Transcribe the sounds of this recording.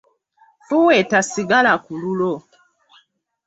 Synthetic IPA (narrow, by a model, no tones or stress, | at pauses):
fuwɛtasiɡalakululɔ